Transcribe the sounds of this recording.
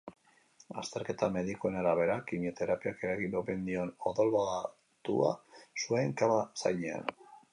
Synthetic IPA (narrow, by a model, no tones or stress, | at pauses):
ast̪e̞ɾke̞t̪ame̞ðikoenaɾaβ̞e̞ɾakimiot̪eɾapiakeɾaɣiope̞nd̪io̞noðo̞lβoɣa | t̪ua̰sueŋkaβasa̰jɲea̰n